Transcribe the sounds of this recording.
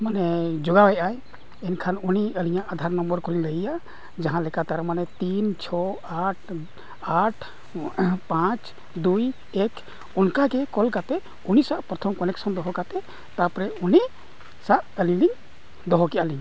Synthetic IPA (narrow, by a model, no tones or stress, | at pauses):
manɛd͡ʒɔɡawajʔaj | ɛnkʰanuniəliɲaʔad̪ʱaɾnɔmbɔɾkuliləija | d͡ʒaɦãlɛkat̪aɾmanɛt̪int͡ʃʰɔ | aʈʰ | aʈʰ | pãt͡ʃ | d̪uj | ɛkʰ | unkaɡɛkɔlkat̪ɛ | unisaʔpɾɔt̪ʰɔmkɔnɛksɔmd̪ɔɦɔkat̪ɛ | t̪apɾɛuni | saʔəlili | d̪ɔɦɔkɛʔaliɲ